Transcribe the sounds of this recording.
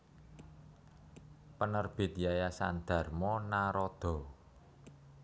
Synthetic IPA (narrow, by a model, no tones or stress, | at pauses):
pənərb̥ɪ̤t̪̚jajasa̰nd̪̥ä̤rmɔnaɾɔd̪̥ɔ̤